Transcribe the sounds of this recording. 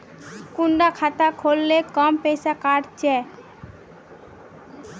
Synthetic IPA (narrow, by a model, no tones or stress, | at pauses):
kunɖakʰat̪akʰolːekɔmpejʃakaɖt͡ɕɛ